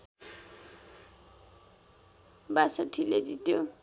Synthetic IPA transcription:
basʌʈʰiled͡zit̪jo

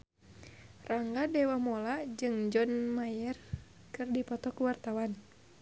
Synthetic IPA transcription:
raŋɡadɛwamolad͡ʒɨŋd͡ʒɔnmajɛr | kɨrdipɔt̪ɔkuwart̪awan

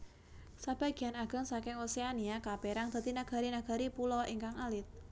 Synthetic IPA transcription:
sab̥a̤ɡ̥ianaɡ̥a̤ŋsakɪŋoseaniakapeɾaŋd̪̥ə̤t̪inaɡ̥a̤ɾinaɡ̥a̤ɾipulɔiŋkaŋalɪt̪̚

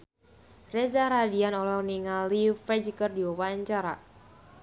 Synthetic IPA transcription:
rɛzaɾadianɔlɔniŋalifɛd͡ʒkərdiuwaɲt͡ʃaɾa̰

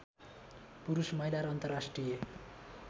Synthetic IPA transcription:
puɾusmʌɦilaɾʌnt̪ʌrasʈrije

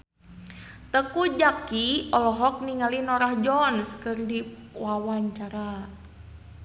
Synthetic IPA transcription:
t̪əkud͡ʒakiɔlɔɦɔk̚niŋalinɔɾahd͡ʒɔnskɨrdiwawaɲt͡ʃaɾa

